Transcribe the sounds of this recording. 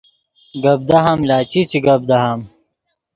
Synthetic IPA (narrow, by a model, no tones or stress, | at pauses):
ɡɐb̚d̪aɦamlaːt͡ɕit͡ɕiɡɐb̚d̪ɐɦam